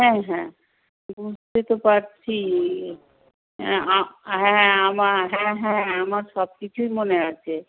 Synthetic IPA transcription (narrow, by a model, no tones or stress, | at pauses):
ɦɛ̃ɦɛ̃ | bud͡ʑʱtet̪opaɾt͡ɕʰi | aɦɛ̃amaɾɦɛ̃ɦɛ̃amaɾʃɔb̚kit͡ɕʰujmoneat͡ɕʰe